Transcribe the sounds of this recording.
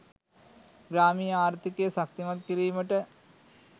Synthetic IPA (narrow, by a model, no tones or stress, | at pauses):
ɡɾaːmijɐaːɾt̪ʰikejɐsɐkt̪imɐt̪̚kiɾiːməʈə